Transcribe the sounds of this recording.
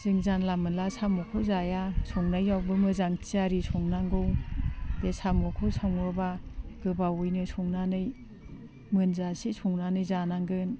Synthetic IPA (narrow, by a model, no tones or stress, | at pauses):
z̥ɯŋzanlamɯnlasamɔkʰɔzajasɔŋnajːawbɯmɯzaŋtʰiaɾisʰɔŋnaŋɡɯwbesamɔkʰɔsaŋɔbaɡ̥ɯbawujnɯsʰɔŋnanɯj | mɯnzasisɔŋnanɯjzanaŋɡɯn